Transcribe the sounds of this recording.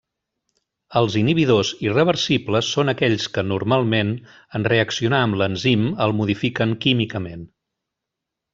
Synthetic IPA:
əlˠziniβ̞iðozirəβ̞ərsipləsːonəkɛʎskənurmalˠmen | ənreəksiunaəmlənziməlˠmuðifikəŋkimikəmen

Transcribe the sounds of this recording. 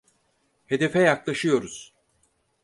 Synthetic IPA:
he̞d̪e̞fɛjaklˠaʃɯjo̞ɾuz̥

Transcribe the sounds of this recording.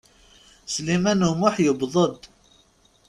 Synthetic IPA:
slimænhmʊħjəbðˤəd̪ˤ

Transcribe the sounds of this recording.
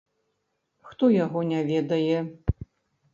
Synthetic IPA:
xt̪ɔjaɣɔnʲavʲɛd̪ɐjɛ

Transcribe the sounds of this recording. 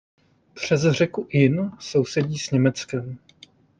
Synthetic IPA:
pr̝̥ɛzr̝ɛkuʔɪnso̞wsɛɟiːsɲɛmɛt͡skɛm

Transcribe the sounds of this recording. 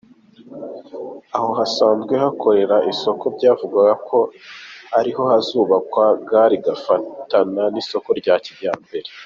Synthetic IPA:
aho̞ɦasaːnzɡwe̞hakʰo̞ɾe̞ɾaʔiso̞ko̞bɟaːvuɡaɡakʰo̞haɾiho̞hazuːβakwaɡaːɾiɡafatananiso̞ko̞ɾɟaːciɾjaːmbe̞ɾe

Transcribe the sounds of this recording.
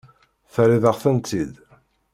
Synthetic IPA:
θəɾiðəʁθənt̪id̪

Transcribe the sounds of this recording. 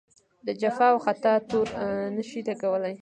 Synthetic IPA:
d̪əd͡ʒafɑwxat̪ɑt̪oɾnəʃilaɡawəlaj

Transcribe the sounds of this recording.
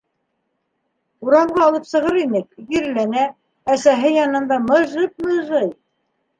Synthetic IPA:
uɾɑmʁɑːlˠɤpsɤ̆ʁɤɾinɘkjɘ̆ɾlænæ | æsæɦɘjɑnɤ̆nd̪ɑmɤ̆ʒɤp̚mɤ̆ʒɤj

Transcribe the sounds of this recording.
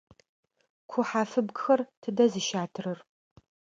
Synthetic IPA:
kʷʰʊħaːfɨbɡxɐrtʰɨdɐzɨʃaːtʰɨrɨr

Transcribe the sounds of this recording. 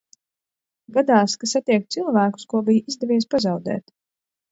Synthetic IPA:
ɡad̪aːskasat̪iɛk̚t̪silˠvæːku̥skuɔbijizd̪ɛvʲiːɛspazawd̪ɛ̰ːt̪

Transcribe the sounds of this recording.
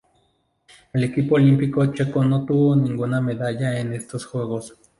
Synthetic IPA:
lekipoːlimpikot͡ʃekonot̪uoniŋɡonameðajaenest̪osxweɣos

